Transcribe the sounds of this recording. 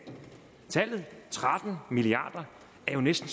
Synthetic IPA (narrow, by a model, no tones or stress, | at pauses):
t͡sʰæl̰ð̞̩ˠt͡sʰʁad̥n̩miliɑ̰̈ːd̥ɐ | æɐjo̝nesd̥n̩s